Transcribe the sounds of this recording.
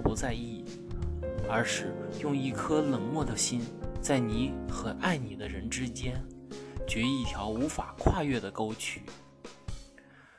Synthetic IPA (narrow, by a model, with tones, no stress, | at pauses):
pu˧˥t͡sa˥˧ɪi˥˩ | ə˞˧˥ʂɻ̩˥˧jʊ˥˧ŋi˥˩kʰɤ˥lə˨˩ŋmwɔ˥˩d̪ə˩ɕi˥nt͡sa˥˩ɪni˧˥xɤ˧˩na˥˩ɪni˨˩d̪ə˦ɻə˧˥nʈ͡ʂɻ̩˥t͡ɕjɛ˥nt͡ɕɥɛ˧˥i˥i˥˩t̪ʰjɑ˧˥ʊu˧˥fa˨˩kʰwa˥˧ɥɛ˥˩d̪ə˩ko˥ʊt͡ɕʰy̰̥˥˨˩